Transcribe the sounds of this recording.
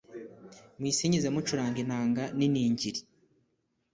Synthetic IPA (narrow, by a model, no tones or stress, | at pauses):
mwiːsiɲizemut͡ʃuɾaːŋɡinaːŋɡaniniːɲɟiɾi